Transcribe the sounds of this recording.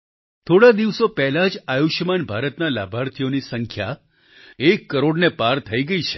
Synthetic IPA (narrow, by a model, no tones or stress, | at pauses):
t̪ʰoɽad̪iʋsopɛɦlad͡ʒajuʃjəmanbʱaɾət̪nala̰bʱaɾt̪ʰijonisəŋkʰja | ekːəɾoɖnepaɾt̪ʰəiɡəit͡ʃʰe̥